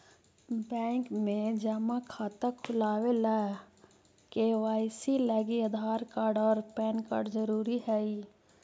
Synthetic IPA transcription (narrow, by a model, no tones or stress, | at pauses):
bɛ̃ːŋkmẽd͡ʒəmakʰaːt̪akʰʊlaːwelɛ | keʋaːɪsilaːɡiəd̪ʱaːɾkaːɾɖɔːɾpɛːnka̰ːɾɖd͡ʒəɾuːɾiɦɛi